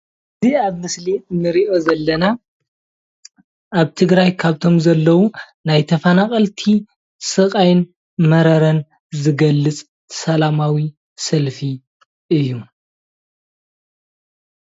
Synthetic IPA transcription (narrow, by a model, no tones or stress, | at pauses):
ʔɨziaβmɨslinɨɾiʔo̞zɐlːɐna | ʔaβt̪ʰɨɡɾajkʰaβt̪ʰo̞mzɐlːɐwu | najt̪ʰɐfanakʼɐlt̪ʰi | sɨkʼajn | mɐɾɐɾɐn | zɨɡɐlːɨt͡sʼ | sɐlamawi | sɐlfi | ʔɨjːu